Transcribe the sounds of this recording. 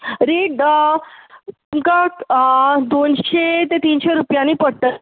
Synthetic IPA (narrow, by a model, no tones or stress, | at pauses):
ɾiːʈ | t̪umka | d̪onɕet̪et̪iːnɕeɾupjãniːpəɽt̪ə